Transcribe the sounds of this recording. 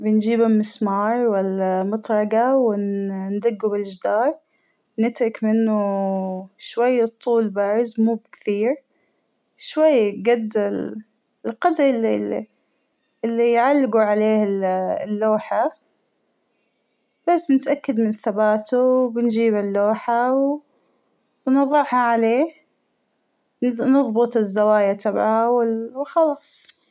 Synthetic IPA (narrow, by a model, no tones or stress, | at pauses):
bɪnd͡ʒiːbɪlmɪsmɑːɾˤwalːamʊt̪ˤɾˤɑɡawɪnnd̪aɡːubɪld͡ʒd̪ɑːɾˤ | nɪt̪ɾɑkmɪnːʊ | ʃwajːt̪ˤːuːlbaːɾɪzmuːbɪkθiːɾ | ʃwajːɡad̪ɪl | ɪlqɑd̪ɾlːi | ɪlːijʕalːɪɡuʕaleːhɪllːoːħa | b̥asːbɪnɪt̪ʔakːad̪mɪnθabaːt̪uwbɪnd͡ʒiːbɪlːoːħaw | nɑðˤɨʕhaʕaleːh | nɨðˤbʊt̪ˤɪzːawaːjat̪ʰabʕaawɪwxɑlɑːsˤ